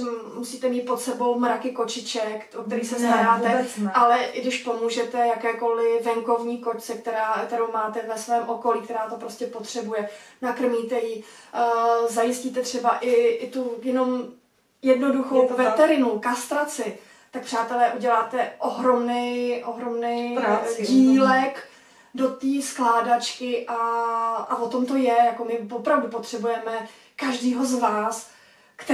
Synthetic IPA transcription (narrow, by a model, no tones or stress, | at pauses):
musiːt̪ɛmiːt̪̚po̞t̪sɛbo̞wmɾakɪko̞t͡ʃɪt͡ʃɛkokt̪ɛɾiːsɛst̪aɾaːt̪ɛʔalɛʔɡdɪʃpo̞muːʒɛt̪ɛjakɛːkolɪvɛŋko̞vɲiːko̞ct͡sɛk̚t̪ɛɾaːkt̪ɛɾowmaːt̪ɛvɛsvɛːmʔo̞ko̞liːk̚t̪ɛɾaːt̪opɾo̞scɛpo̞t̪r̝̥ɛbujɛnakr̩miːt̪ɛji | zajɪsciːt̪ɛt̪r̝̥ɛbaʔɪɪt̪ujɛno̞m | jɛdno̞duxowvɛɛɾɪnukast̪ɾat͡sɪ | t̪ak̚pr̝̥aːt̪ɛlɛːʔuɟɛlaːt̪ɛʔoɦɾo̞mnɛjʔoɦɾo̞mnɛjɟiːlɛk | do̞t̪iːsklaːdat͡ʃkɪʔaʔavot̪o̞mt̪o̞jɛjako̞mɪvopɾavdupot̪r̥ɛbujɛmɛ | kaʒdiːɦo̞zvaːs | kt̪ɛ